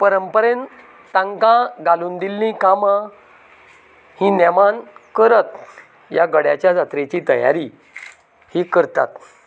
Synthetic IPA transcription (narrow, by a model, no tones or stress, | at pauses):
pəɾəmpəɾen | t̪ãŋkãɡaluːnd̪ilːĩkamã | hĩnɛmankəɾət̪̚ | jaɡəɽjat͡ɕjad͡zat̪ɾet͡ɕiːt̪ə̰ja̰ɾi | hikəɾt̪a̰t̪